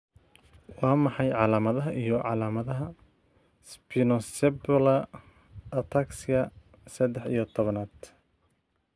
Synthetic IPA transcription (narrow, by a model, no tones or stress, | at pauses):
wɑːmɑħɑjʕɑlaːmɐðɐɦɐʔijɔʕɑlaːmɐðɐɦɐ | spʰinɔsɛblɐ | ɐt̪ʰaksɪɐ | sɐd̪ɛħḭjɔt̪ʰɔβɐnaːd̪̥